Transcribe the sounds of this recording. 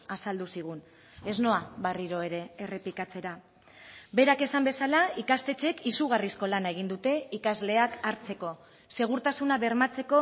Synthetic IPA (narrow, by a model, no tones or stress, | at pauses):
asald̪usiɣ̞un | e̞zno̞aβariɾo̞e̞ɾe̞ːre̞pikat͡se̞ɾa | be̞ɾake̞sambe̞salaikast̪e̞t͡ʃe̞kisuɣ̞arisko̞lanaeɣ̞ind̪ut̪e̞ikazle̞akaɾt͡se̞ko̞ | se̞ɣ̞uɾt̪asunaβe̞ɾmat͡se̞ko̞